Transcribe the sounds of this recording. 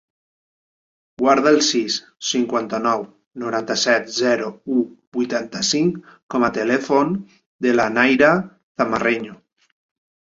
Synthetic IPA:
ɡwaɾðalˠsisː | iŋkwant̪anɔw | noɾant̪asɛt̪zɛɾoubujt̪ant̪asiŋkkɔmat̪elefon | d̪elanajɾa | θamareɲo

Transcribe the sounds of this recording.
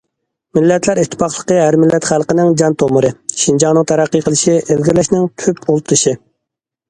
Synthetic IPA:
mɪlːɛt̪ʰlæɾit̪ʰːɪ̥pɑχlˠəqəɦæɾmɪlːɛt̪χælˠqənɪŋd͡ʒɑnt̪ʰoməɾɨʃind͡ʒɑŋnɨŋt̪ʰæɾæqːəqʰəlˠɪʃiʔelɡʲilɛʃnɪŋt̪ʰypulˠt̪ʰɨʃi

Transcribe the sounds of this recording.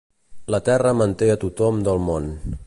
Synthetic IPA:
lət̪ɛrəmənt̪eət̪ut̪ɔmd̪əlˠmon

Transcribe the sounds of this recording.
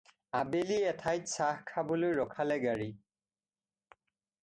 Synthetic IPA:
abeliɛtʰajtsahkʰabolojɹɔkʰalɛɡaɹi

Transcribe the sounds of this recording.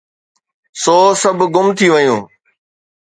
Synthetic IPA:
soːsəbʱɡʊmt̪ʰiːʋəjũː

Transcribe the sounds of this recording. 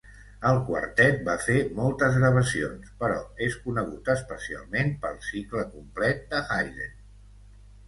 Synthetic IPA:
əlˠkwə̰ɾt̪ɛt̪̚bafemɔlˠt̪əzɣɾəβ̞əsio̰nspəɾɔ̰eskunəɣ̞ut̪əspəsia̰lˠmenpəlˠsikləkumplɛt̪̚d̪əxajðḛ

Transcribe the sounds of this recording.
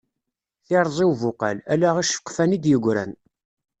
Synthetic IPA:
θɪɾˤzˤɪwvʊqa̰lælæʁæʃfə̥qːfænid̪jəɡʷɾæ̰n

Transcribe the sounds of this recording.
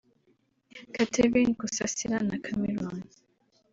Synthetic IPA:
katʰevinkusasiɾanakʰamɛɾɔn

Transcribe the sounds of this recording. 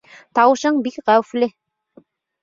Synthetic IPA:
t̪ɑwɤ̆ʃɤɴbikʁæwɘ̆flɘ

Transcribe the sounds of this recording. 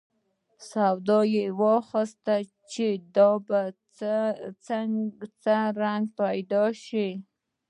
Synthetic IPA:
sawd̪ɑjewɑxist̪a | t͡ʃed̪ɑba | t͡st͡səɾaŋɡ̚pajd̪ɑʃi

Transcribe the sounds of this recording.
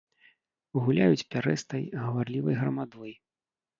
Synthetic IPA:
uɣulʲajut͡sʲpʲaɾɛst̪ɐjɣɐvarlʲivɐjɣɾɐmad̪ɔji

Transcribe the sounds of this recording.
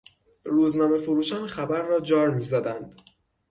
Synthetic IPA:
ruːznɒːme̞foɾuːʃɒːnxæbæɾːɒːd͡ʒɒːɾmiːzæd̪ænd̪̥

